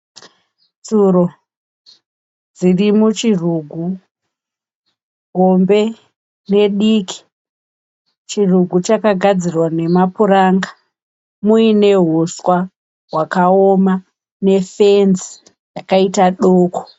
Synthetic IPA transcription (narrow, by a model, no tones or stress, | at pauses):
d͡zuɾo | d͡zirimut͡ʃiruɡʱu | ɦombe̞ | ne̞ɗikʰi̥ | t͡ʃiruɡʱut͡ʃakaɡʱad͡zirwane̞mapuraːŋɡa | muine̞ɦuswa | ɦwakaoma | ne̞fenzi̥ | jakaitaɗoːko̥